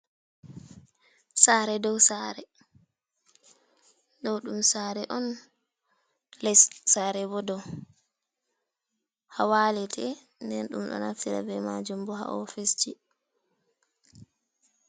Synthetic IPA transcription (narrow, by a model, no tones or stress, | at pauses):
saːɾɛdɔwsaːɾɛ | ɗɔwɗumsaːɾɛʔɔn | lɛssaɾɛbɔdɔw | hawaːlɛtʰɛ | ndɛnɗṵmɗɔ̰naftiɾa̰bɛmad͡ʒumbɔha̰ʔɔfest͡ʃi